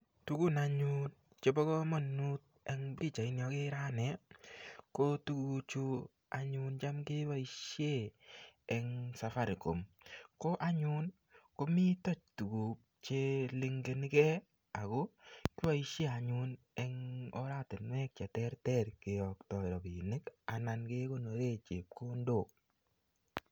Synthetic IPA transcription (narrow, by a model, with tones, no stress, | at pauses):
tu˦ku˦na˨ɲu˦n | t͡ʃe˧bɔ˦kɔ˦mɔ˨nːu˦t̚ɛ˦ŋbɾi˦˨t͡ʃa˨i˦njɔ˧ke˦ɾa˦nɛ˨ | ko˦tu˦ku˧t͡ʃu˧ | a̰˨ɲu˧nt͡ʃa˦mkɪ˦wa˦i˦ʃje˦˨ | ɛ˨ŋsa˨fa˦ɾko̰˨m | ko˦ʔa˦ɲu˦n | ko˦mi˦tɔ˦t͡ʃ̚tu˨ɡu˨p̚ | t͡ʃe˦lɪ˧ŋɡe˨ni˦kɛ˦ | a˨ko˦kɪ˦wa˦i˦ʃje˦a˨ɲu˦n | ɛ˦ŋɔ̰˦ɾa˦te˨nwɛ˦k̚t͡ʃɛ˨tɛ˦ɾtɛ˦ɾke˨jɔ˨ktɔ˨ɾɔ˨bi˨nɪ˦ka˨na˨nke˦ko˦no˨ɾe˦˨t͡ʃe˨p̚ko˦ndo˦˨